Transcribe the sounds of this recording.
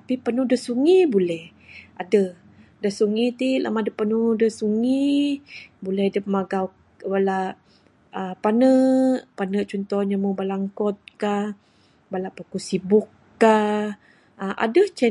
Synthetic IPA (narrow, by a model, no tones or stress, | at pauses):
apipənuhdəsuŋibulɛh | adə | dəsuŋit̪ila̰madəpənudəsuŋi | bulɛhdəpəmaɡaw | balaʔ | əpanəʔpanəʔt͡ʃɔnt̪ɔhɲamubalaŋkɔt̪̚kah | balaʔpəkusibʊkː | a | əʔa̰dət͡ʃɛ